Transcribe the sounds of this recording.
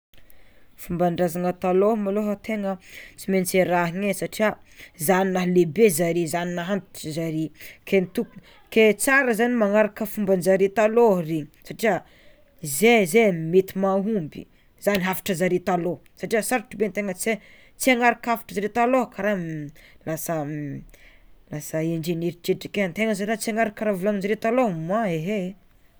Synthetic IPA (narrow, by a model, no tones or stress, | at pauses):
fumbaɳɖ͡ʐazaŋət̪alomaloɦat̪eŋət͡siment͡seɾaɦiŋesaʈ͡ʂiəzaninaɦlebezaɾizaninaɦant̪i̥ʈ͡ʂizaɾikʰenit̪ukun | ket͡saɾəzanimaŋaɾakəfumbanzaɾit̪aloriɲi̥saʈ͡ʂiə | zezemet̪imaɦumbḭ | z̥aniɦafḁʈ͡ʂəzaɾit̪alosaʈ͡ʂiəsaɾaʈ͡ʂubent̪eŋət͡se | t͡siaŋaɾakafḁʈ͡ʂəzaɾet̪alokaɾalasə | lasəeɳd͡ʒeneɾit͡ʃeʈ͡ʂikent̪eŋəzaiɾat͡siaŋaɾakaɾavulaŋinzaɾet̪alomaeɦe